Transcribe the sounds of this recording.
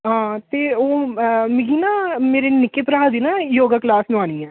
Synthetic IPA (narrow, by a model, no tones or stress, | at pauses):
ɦãːt̪eːoːmɪɡiːnaːmeːɾeːnɪkeːpɾaːd̪iːnaːjoːɡaklaːsnʊaːñiːɛː